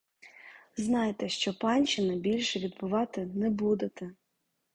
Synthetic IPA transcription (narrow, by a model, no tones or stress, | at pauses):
znɑjet̪ɛʃt͡ʃɔpɑnʲt͡ʃɪnɪbʲilʲʃɛʋʲid̪̚bʊʋɑt̪ɪnɛbud̪ɪt̪ɛ